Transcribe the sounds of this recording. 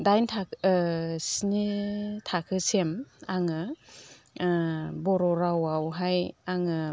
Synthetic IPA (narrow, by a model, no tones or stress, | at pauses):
dajntʰa | sinitʰakʰɯsemaŋɯ | bɔɾɔɾawawɦajaŋɯ